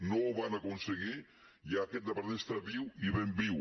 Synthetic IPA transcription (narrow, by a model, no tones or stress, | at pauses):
nowβanakunseɣi | jaːkɛt̪̚d̪əpəɾnest̪ɾəβiwiβembiw